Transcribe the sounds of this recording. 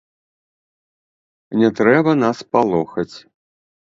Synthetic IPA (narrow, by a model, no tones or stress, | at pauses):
nʲɛt̪ɾɛbɐnaspalˠɔxɐt͡sʲ